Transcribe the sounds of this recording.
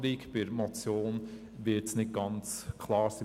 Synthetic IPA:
ɾikb̥ɪɾmɔt͡sjoːn | ʋɪtsnɪt̚ɡ̥ɑnt͡skʰlɑːɾsi

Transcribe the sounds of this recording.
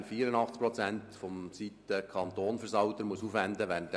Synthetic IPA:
nfiːəɾənɑχt͡skpɾɔt͡sænt̪fɔmsit̪ːəkʰɑnt̪oːnfəɾsɑwt̪əɾmuəsuːfʋænd̪əʋærnt̪

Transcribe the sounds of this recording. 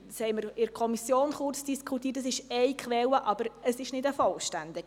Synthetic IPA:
shɛɪməɾɪɾkʰɔmisjoːnχʊrt͡sd̥iskʰχutiːtəs̬ɪʃɛɪkʰχʋɛwəʔɑb̥əɾəsɪʃnɪdəfɔlʃtændɪɡ

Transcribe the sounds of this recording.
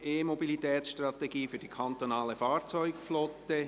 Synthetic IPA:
eːmobilit̪ɛːtsʃtrɑt̪eɡiːfyːɐd̥ikʰɑnt̪onɑːləfɑːɾt͡sɔʏɡflɔtə

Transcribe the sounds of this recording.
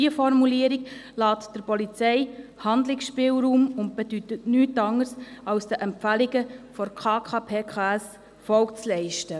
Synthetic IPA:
iəfɔɾmuliəɾiklɑːtd̥əɾpɔlit͡sɛɪhɑndlɪksʃpɪːlɾuːmʊnt̚b̥ɛd̥ytətnyːtɑŋːəɾsɑwsd̥əʔɛmpfælɪɡəfɔɾkʰɑːkʰɑːpʰeːkʰaːɛs | fɔlkt͡slɛɪʃtə

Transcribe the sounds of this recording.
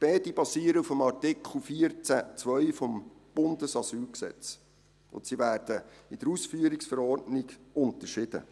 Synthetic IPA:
pɛːdibɑsiːəɾəufəmɑrtɪkʰχl̩ˠfiəɾt͡sæt͡sʋœʏfɔmb̥ʊnd̪əsɑsyːlksɛ̰t͡s | ʊ̰ntsivæːɾd̥əid̥əɾusfyːəɾiksfəɾɔːrdnɪɡʊnt̪əʃɪd̥̪ə̰

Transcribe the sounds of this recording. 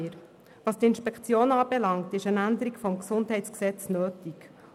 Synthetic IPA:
ɾ | ʋɑst̪ɪnʃpɛkʰt͡sjoːnɑːb̥ɛlɑŋtɪʃənænd̪əɾikfɔmksʊntɦɛɪtt͡sksɛt͡snøːtik

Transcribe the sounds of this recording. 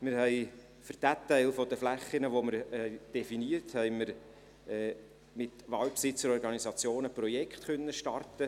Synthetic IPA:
mɪɾhɛj | fyɾd̥ɛtːæɪlfod̪əflæχːɪnəʋoməɾɛd̥ɛfiniəthɛɪməɾ | ɛː | mɪtʋɑːlpsɪt͡səɾɔɾɡɑnisɑt͡sjoːnəprɔjɛkχt̪χœnːəʃtɑrtə

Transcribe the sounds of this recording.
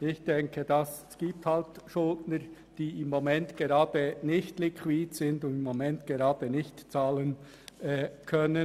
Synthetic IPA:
ɪçd̥ɛŋkʰəd̥ɑs | ɡ̥iːp̚thaltʃʊltnəɾ | d̥iːɪmːomɛntɡ̥eɾɑːd̥ənɪçtlikʰwiːdz̥ɪndʊndɪmːomɛntɡ̥eɾɑːd̥ənɪçtt͡sɑːlən | ʔɛːkʰœnə

